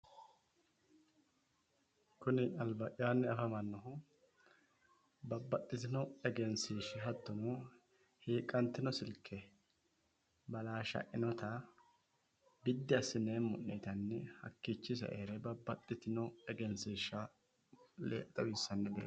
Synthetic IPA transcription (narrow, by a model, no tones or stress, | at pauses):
kʰʊnɪɐlbɐʔɪjaːnːɛfɐmɐnːɔɦʊ | bɐbːɐt̪ʼːɪt̪ɪnɔɛɡɛnsiːʃɪɦɐt̪ːɔno | hiːkʼːɐnt̪ɪnɔsɪlkʰːɛ | bɐlaːʃɐ̰ʔɪnɔt̪ɐ | bɪd̪ːɪɐsɪneːmːʊʔːeːt̪ɐnːɛhɐ̰kːit͡ʃːɪs̬ɐ̰ʔeːɾɛbɐbːɐt̪ʼːɪt̪ɪnɔɛɡɛnsiːʃːɐ | lḛːʔt̪ʼɐwɪsːɐnːɛbḛː